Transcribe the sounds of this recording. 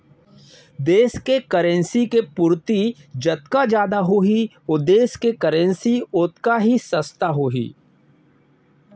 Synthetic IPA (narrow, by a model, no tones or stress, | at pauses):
d̪eːskekɐɾẽnsikepʊɾt̪id͡ʒɐt̪̚kad͡ʒjaːd̪aɦoɦi | oːd̪eːskekɐɾẽnsiʊt̪kaɦisɐst̪aɦoːɦḭː